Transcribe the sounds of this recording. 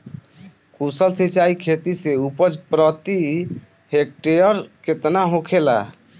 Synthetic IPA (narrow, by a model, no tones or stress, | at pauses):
kusəlsit͡ʃaikʰet̪iseupəd͡ʒpɾət̪i | hek̚ʈeəɾket̪naɦõkʰela̰